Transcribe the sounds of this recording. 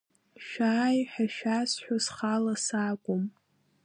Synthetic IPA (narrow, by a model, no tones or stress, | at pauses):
ʃᶣaːjħaʃᶣasħʷᶣasχalasaːkʷʼʊm